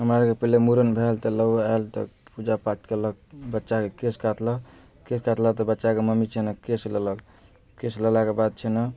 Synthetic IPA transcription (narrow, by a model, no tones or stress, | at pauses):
ɦəmɾakepəɦlemuɾənbʱelt̪ələaelt̪ɔ̰pud͡ʒapat͡ʃkeləkbətːʃakekeskat̪lə | keskat̪lət̪ɔbətːʃakeməmit͡ʃʰɛnəkeslələ | kesləlakebad̪̚t͡ʃʰɛnə